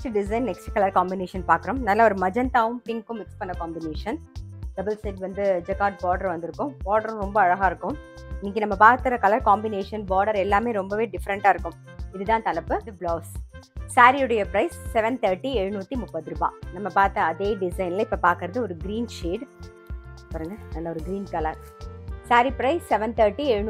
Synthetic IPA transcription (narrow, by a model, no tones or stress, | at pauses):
ʈɖɪs̬ɐɪnːɛksʈkɐlɐɾkaːmbɪneːʂɐnpaːɾkɯɾõmnaːlaːɔɾɯmɐd͡ʒɐnt̪aːʋɯmpɪŋkʊ̃mɪkspɐnːɐkaːmbɪneːʂɐnɖ̪ɐbɐlsɐʈʋɐnd̪ɯd͡ʒɛkaːʈ̚baːɖɐɾʋɐnd̪ɯɾɯkːʊ̃mbaːɾɖɐɾ̃ɾɔmbɐːɻɐɣaːɪɾɯkːʊ̃m | ɪnːɪk̬ːɯnɐmːɐpaːɾt̪ːɯɾɐkɐlɐɾkaːmbɪneːʂɐnbaːɾɖɐɾɛlːaːmeːɾɔmbɐʋeːɖɪfɐɾɐɳʈaːɪɾɯkːʊ̃m | ɪðɯt̪ãːt̪ɐlɐpːɯbloːssaːɾiɯɽɐjɐpɾɐɪsːɛʋɛnt̪ɐːɾʈːiɛɻɯnuːt̪ːimʊpːɐðɯɾɯba̰ːnɐmːɐpaːɾt̪ːɐɐðeːɖɪsɐɪnlɐɪpːɐpaːɾkɯɾɐðɯɔɾɯɡɾiːnʃiːɖ | paːɾɯŋɡɐnɐlːɐɔɾɯɡɾiːnkɐlɐɾsaːɾipɾɐɪsːɛʋɛnt̪ɐːɾʈːiɛɻɯnː